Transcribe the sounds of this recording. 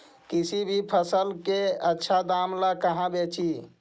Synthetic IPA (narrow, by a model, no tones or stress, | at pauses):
kisibʱipʰəsəlkeətːʃʰad̪amlakəɦãbet͡ʃi